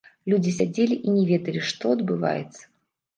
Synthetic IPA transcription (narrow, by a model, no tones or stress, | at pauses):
lʲud͡zʲisʲad͡zʲelʲiʔinʲɛvʲed̪əlʲiʂt̪ɔɐd̪bɨva̰jɛ̰t̪sɐ̥